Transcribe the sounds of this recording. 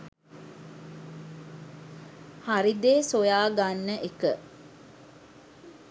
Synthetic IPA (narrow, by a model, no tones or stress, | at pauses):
haɾid̪eːsojaːɡanːəʔekə